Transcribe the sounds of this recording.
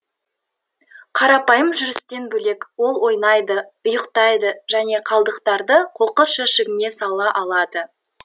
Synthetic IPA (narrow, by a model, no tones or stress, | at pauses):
qʰɑɾɑpɑjəmʒʏɾɪst̪e̞nbɵle̞kwo̞lˠwo̞jnɑjd̪əʊjəqt̪ɑjd̪əʒæne̞qʰɑlˠd̪əqt̪ɑɾd̪əqʰo̞qəsʃæʃɪɡʲɪne̞sɑlˠɑʔɑlˠɑd̪ə